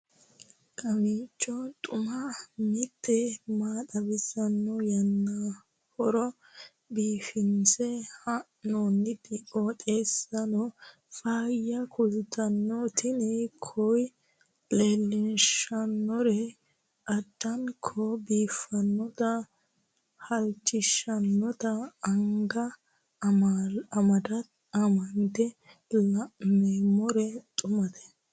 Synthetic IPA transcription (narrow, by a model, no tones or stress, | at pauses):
kʼɐmiːt͡ʃʼːɔt̪ʼʊmɐmɪt̪ʰːɛmaːt̪ɐbɪsɐnːɔjɐnːɐ | hɔɾɔ | biːfɪnsɛhɐʔnonːɪdɪʔot̪ʼeːsɐnɔ | faːjɐkʰʊzɪt̪ɐnːɔt̪ɪnɛkʰɔj | leːlːɪnʃɐnːɔɾɛ | ɐd̪̥ːɐnkʰɔbiːfɐnːɔt̪ɐ | hɐlt͡ʃːɪʃɐnːɔt̪ɐːŋɡɐ | ɐmɐd̪ɐt̪ | ɐmɐnd̪ɛ | lɐʔmeːmːɔɾɛt̪ʼʊmɐd̪ɛ̥